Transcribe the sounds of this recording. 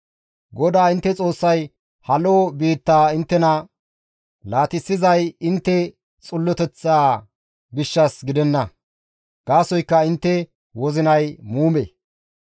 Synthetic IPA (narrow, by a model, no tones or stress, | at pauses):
ɡɔd̪aːɪnt̪ːɛt͡sʼo̞ːsːɐj | hɐloːbiːt̪ːaːɪnt̪ːɛnɐ | laːt̪ɪsːɪzɐjɪnt̪ːɛ | t͡sʼʊlːɔt̪ɛt͡sːaː | ɡɪʃːɐsɡɪd̪ɛnːɐ | ɡ̥aːsɔjkːɐɪnt̪ːɛ | wɔzɪnɐjmuːmḛː